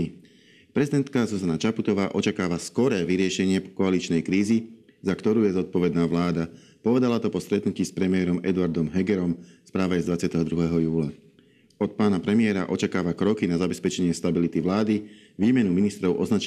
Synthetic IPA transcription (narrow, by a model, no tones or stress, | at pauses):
pɾɛzid̪ɛnt̪kazuzanat͡ʃaput̪ɔʋaːʔɔt͡ʃakaːʋaskɔɾɛːʋiɾɪɛʃɛɲɪɛkɔalit͡ʃnɛjkɾiːzi | zakt̪ɔɾuːjɛzɔt̪̚pɔʋɛd̪naːʋlaːd̪a | pɔʋɛd̪alat̪ɔpɔst̪ɾɛt̪nuciːspɾɛmɪɛːɾɔmɛ̰d̪uaɾd̪ɔmɦɛɡɛɾɔmspɾaːʋajɛzd̪ʋat͡sɪat̪ɛɦɔd̪ɾuɦɛɦɔjuːla | ɔt̪̚paːnapɾɛmɪɛːɾa̰ʔɔt͡ʃakaːʋakɾɔkinazabɛspɛt͡ʃɛɲɪɛst̪abilit̪iʋlaːd̪i | ʋiːmɛnuminist̪ɾɔʊʔɔznat͡ʃ